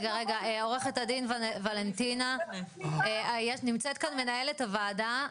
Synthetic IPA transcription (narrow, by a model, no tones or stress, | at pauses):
ɡaʁeɡaʔeoʁeχetadinvvalentina | eajeʃnimt͡set̪̚kanme̞naje̞letavaːda